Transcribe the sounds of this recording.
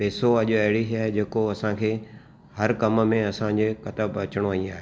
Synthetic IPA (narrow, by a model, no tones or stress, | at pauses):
peːsoɐʄʊɐɦɪɽiɦiaːɦed͡ʑeːkoɐsãkʰeː | hɐɾkɐmmẽɐsãd͡ʑekɐt̪əbɐt͡ɕɪɽ̃oəĩaːɦe